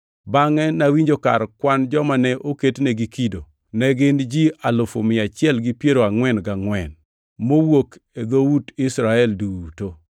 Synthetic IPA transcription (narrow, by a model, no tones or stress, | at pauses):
baŋɛnawiɲd͡ʒoka̰ɾkwand͡ʒɔmanɛʔoketnɛɡikido | nɛɡɪnd͡ʒialʊfo̰mɪat͡ʃɪɛlɡɪpjeɾoaŋwɛnɡaŋwɛn | mowoked̪oudɪsɾaɛlduto